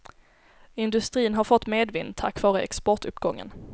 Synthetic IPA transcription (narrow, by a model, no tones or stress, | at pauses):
ɪnd̪ɵst̪ɾiːnɦaɾfɔt̪ːmeːd̪vɪnt̪ʰakːv̥ɑːɾəɛ̰kspɔʈɵpːɡɔŋːə̰n